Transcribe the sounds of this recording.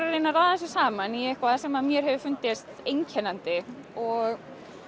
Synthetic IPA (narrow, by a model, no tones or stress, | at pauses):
ɾareːjnaraːðaɛs̬ɪsaːmanjɛhkvaðsɛmaðmjɛɾ̥ɦɛvɪfʏn̥t̪ɪst̪ejɲcʰɛnant̪ɪ | ɔɣ